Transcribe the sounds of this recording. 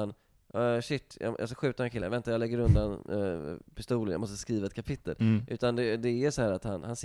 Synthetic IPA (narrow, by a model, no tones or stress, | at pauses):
n | ɑɕɪt̪ːjɑ̰ja̰s̬kaɧʉ̟ːt̪aɾɛnkʰɪlːnvɛnt̪ajɑlɛɡːəɾɵnd̪an | pʰɪ̥st̪uːlənj̰mɔst̪ə̥skɾiːvaɛt̪̚kʰapʰɪt̪ːə̰lʔʉ̟ːt̪and̪ɛd̪ɛæsɔhæːɾat̪hanhans